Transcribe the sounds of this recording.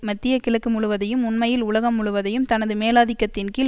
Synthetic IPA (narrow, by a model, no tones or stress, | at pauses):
mɐt̪ːɪjɐkɪɭɐkːɯmʊɭʊʋɐðɐjɯmʊnmɐjɪlʊɭɐɣɐmːʊɭʊʋɐðɐjɯmt̪ɐnɐðɯmeːlaːðɪkːɐt̪ːɪnkɪ